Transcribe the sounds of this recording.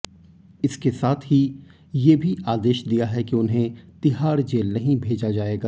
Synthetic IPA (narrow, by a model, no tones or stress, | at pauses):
ɪskesaːt̪ʰɦi | jeːbʱiʔaːd̪eːʃd̪ijaɦɛkiʊnɦẽt̪ɪɦaːɾd͡ʒeːlnɐɦĩbʱeːd͡ʒad͡ʒaːeːɡaː